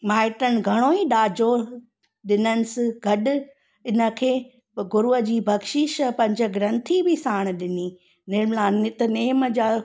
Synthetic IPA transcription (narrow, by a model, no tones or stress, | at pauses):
maːɪʈəñ̆ɡʱɐɽ̃oːiɗaːd͡ʑo | ɗɪnənɪ̆sɪɡʱɐɗʊ̆ | ɪnə̆kʰeː | ɡʊɾuəd͡ʑiːbʱɐɡʃɪʃpɐ̃ɲd͡ʑə̆ɡɾɐ̃nt̪ʰibɪsaːɽ̃ɗɪni | nɪmlaːnɪt̪neːməd͡ʑaː